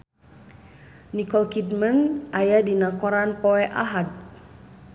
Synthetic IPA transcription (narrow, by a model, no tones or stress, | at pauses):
nikɔlkit̪̚manajadinakɔɾanpɔɛʔaɦat̪̚